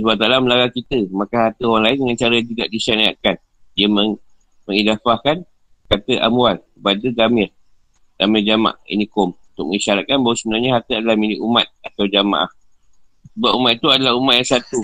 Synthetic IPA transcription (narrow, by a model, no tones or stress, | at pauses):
suat̪alaməlaɾakit̪əmakaɦart̪əoaŋlaɪndəŋant͡ʃaɾajaŋd͡ʒuɡa̰ʔdisania̰ʔkan | diaməŋ | məŋidafahkan | kat̪əʔa̰mualkəpadəɡamɪr | ɡamɪrd͡ʒama̰ʔḭnikɔmunt̪ʊk̚mə̰ŋiʃaɾat̪̚kanbawəsəbənarɲaɦart̪əadalahmilɪkʔumat̪̚at̪awd͡ʒama̰ʔa̰h | səbap̚umat̪it̪uadalahumat̪jaŋsat̪u